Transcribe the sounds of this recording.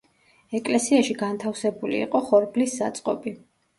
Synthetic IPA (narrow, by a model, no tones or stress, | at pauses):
ɛkʼlɛsiaʃiɡant̪ʰafsɛbulḭːqʼɔχɔɾblisːat̪sʼqʼɔbi